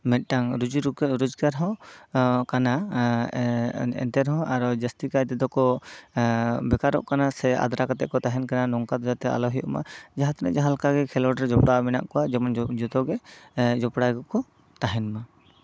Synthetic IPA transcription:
mɛt̪̚ˀʈaŋɾud͡ʒuɾukɛɾud͡ʒɡaɾɦɔ̃ | kana | ɛ̰nt̪ɛɾɦɔ̃ʔaɾɔd͡ʒast̪ikajt̪ɛd̪ɔkɔ | bɛkaɾɔ̰ʔkanasɛa̰d̪ɾakat̪ɛʔkɔt̪aɦɛnkananɔŋkat̪ɔd͡ʒat̪ɛa̰lɔɦijɔʔma̰d͡ʒaɦat̪nɛ̰d͡ʒaɦalkaɡɛkʰɛlɔɖɾd͡ʒɔpɽamɛna̰ʔkɔwad͡ʒɛmɔnd͡ʒɔt̪ɔɡɛd͡ʒɔpɽaɡɔkɔ | t̪aɦɛnma

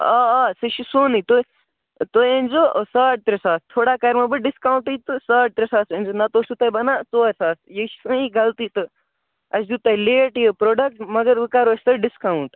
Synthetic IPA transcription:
aaːsɨʃisonit̪o | t̪oẽnʲd͡ʒosaːʈ̚t̪ɾesaːst̪ʰoːɽaːkɐɾmɐbɨɖiskaːũɳʈɨt̪ɨsaːʈ̚t̪ɾesaːsẽnzonɐt̪oːsut̪ɐibɐnaːt͡soːɐsaːsjeʃi̥sɨ̃iɡɐlt̪iːt̪ɨ | ɐsd̪ut̪ɐileːʈjepɾoːɖɐk̚ʈmɐɡɐɾʋɨkaːɾoːsʲt̪ɐɖiskauɳʈ

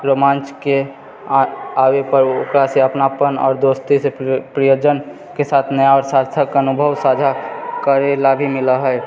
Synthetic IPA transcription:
ɾomãːnt͡ʃke | aːwepəɾokɾaseəpnapənɔ̰ːɾd̪oːst̪isepɾijoːd͡ʒən | kesaːt̪ʰnəjaɔːɾsaɾt̪ʰəkənʊbʱəwsaːd͡ʒʱakəɾelabʱimɪləɦɛ

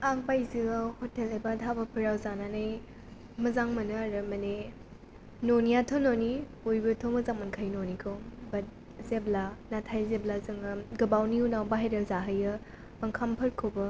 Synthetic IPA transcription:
aŋ̚bajziahotelejbatʰabɐpʰɯɾawzananɐj | mɐzaŋmɐnɯɾɯmɐne | nonijatʰononi | ojbɯtʰomɐzaŋmɐnkʰajnonikʰɯwbɐt̚ | zeblanatʰajzeblazɯŋɡɐbawniunawbaɦeɾɐzaɦəjɯ | mɐŋkʰampʰɯɾkʰowbɐ

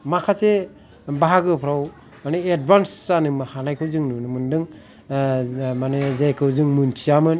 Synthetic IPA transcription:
makʰase | baɦaɡɯpʰɾaw | maneed̚bansːanɯmɯhanajkʰɯwzɯŋnunɯmɯndɯŋ | manezajkʰɯwzɯŋmuntʰijamɯn

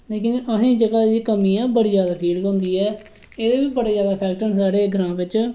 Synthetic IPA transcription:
leːkɪnəɦẽːd͡ʒəɡaːd̪iːkəmĩːãːbəɽiːd͡ʒjaːd̪aːpʰiːlɡɦõːnd̪iːɛː | eːd̪eːʋiːbəɽeːzjaːd̪aːpʰɛːk̚ʈənsaːɽeːɡəɾãːʋɪt͡ʃ

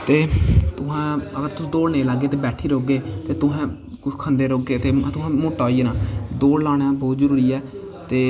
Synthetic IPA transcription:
t̪eːt̪ʊɦãːəɡəɾt̪ʊsĩːd̪oːɽnẽːlaɡːeːt̪eːbɛːʈʰiːɾoːɡeːt̪eːt̪ʊɦɛ̃ː | kʊt͡ʃkʰə̃nd̪eːɾoːɡeːt̪eːt̪ʊɦãːmoːʈːaːiːnãːd̪oːɽlaːɳ̃aːbɔːt̪zəɾuːɾiːɛː | t̪eː

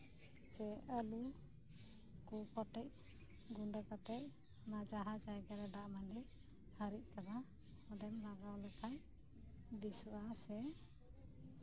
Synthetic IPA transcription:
t͡ʃɛəlu | kupɔʈɛc̚ | ɡuɳɖəkat̪ɛc̚ | mad͡ʒaɦad͡ʒajɡaɾɛd̪aʔmaniʔ̚ | həɾic̚ˀkaba | ɔdɛmɾaɡawlɛkʰaj | d̪isuʔasɛ

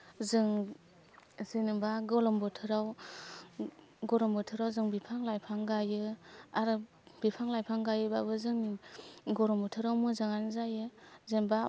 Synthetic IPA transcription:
zɯŋ | zenɯbaɡɔlɔmbɔtʰɯɾaw | ɡɔɾɔmbɔtʰɯɾawzɯŋbipʰaŋlajpʰaŋɡajɯaɾɯ | b̥ipʰaŋlajpʰaŋɡajɯbabɯzɯŋniɡɔɾɔmbɔtʰɯɾawmɯzaŋanzajɯzenba

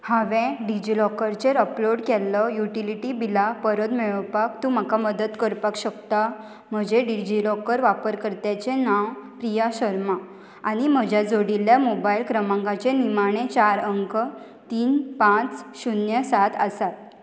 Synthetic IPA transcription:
haʋɛ̃ɖid͡ʑilɔkəɾt͡ɕeɾəploɽkɛlːɔjuʈiliʈibilapəɾəd̪miɭəpakt̪um̤akaməd̪ət̪kəɾpakɕəkt̪a | m̤əd͡ʑeɖid͡ʑilɔkəɾʋapəɾkəɾt̪jat͡ɕenawpɾijaɕəɾma | aɽ̃im̤əd͡ʑjad͡zoɽiljamobailkɾəmãŋɡat͡ɕenimaɽ̃ẽt͡ɕaɾəŋkə | t̪iːnpãt͡sɕunjəsat̪ʰəsat̪̚

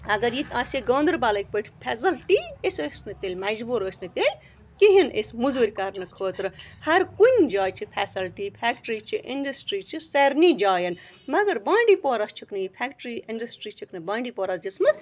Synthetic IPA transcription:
ɐɡɐɾjit̪ʰaːseɡõːnd̪ɨɾbalɐk̚ʲpəʈʰpʰʲɛːs̬ɐlʈiesəsnɨt̪eːlʲmɐd͡ʒbuɾoːsnɨt̪elʲ | kiɦinʔḛsmuzuɾʲkɐɾnɨkʰoːt̪ɾɨhɐɾkunʲd͡ʒaːt͡ʃʰipʰʲɛːsɐlʈipʰɛːkʈɾiːt͡ʃʰiʔḭnɖɐsʈɾiːt͡ʃʰiseɾnid͡ʒaːjɐnmɐɡɐɾbaːɳɖiːpoːɾɐst͡ʃʰuknɨjipʰɛkʈɾiinɖɐsʈɾiːt͡ʃʰiknɨbãːɳɖiːpoːɾɐsd͡ʒismɐs

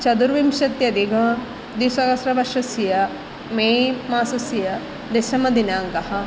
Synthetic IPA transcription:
t͡ʃɐd̪uɾʋimʃɐt̪jɐd̪iɡʱɐ | d̪isɐkɐsɾɐbɐʃɐsijɐ | memaːsɐsijɐ | d̪esɐmɐd̪inaːŋkɐhɐ

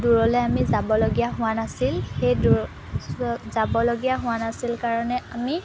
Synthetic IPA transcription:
duɹɔlɔjamizabɔloɡijaɦʊwanasilxejdu | zabɔloɡijaɦʊ̃anasilkaɹɔnɛami

